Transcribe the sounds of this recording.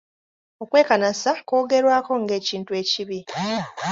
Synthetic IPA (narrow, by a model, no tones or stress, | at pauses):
o̞kwe̞ːkanasako̞ːɡe̞ɾwaːko̞ŋɡe̞ːciːntue̞ːciβi